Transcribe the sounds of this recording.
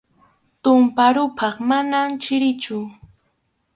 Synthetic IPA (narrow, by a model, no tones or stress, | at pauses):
t̪ʊmpaɾʊpʰɑχmanamt͡ʃɪɾɪt͡ʃʊ